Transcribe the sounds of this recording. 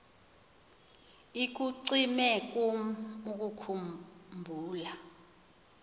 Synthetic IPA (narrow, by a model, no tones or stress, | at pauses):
ik̬uǀimɛk̬ʼuk̬ukʰummbʱuːla